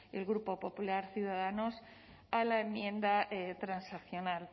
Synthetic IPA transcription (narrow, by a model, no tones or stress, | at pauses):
elɣɾupo̞po̞pulaɾθjuðaðanos | alaemjẽ̞nd̪aet̪ɾansakθjo̞nal